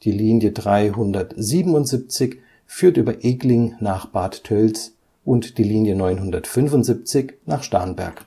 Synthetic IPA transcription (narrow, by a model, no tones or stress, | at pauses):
d̥iːliːnjədʁaɪɦʊndɐtziːbm̩ʊntz̥ip̚t͡sɪç | fyːɐtʔyːbɐʔeːklɪŋnaːχb̥aːttʰœlt͡s | ʔʊntd̥iːliːnjənɔʏnɦʊndɐtfʏnvʊntzip̚t͡sɪçnaːχʃtɛɐnbɛ̰ɐk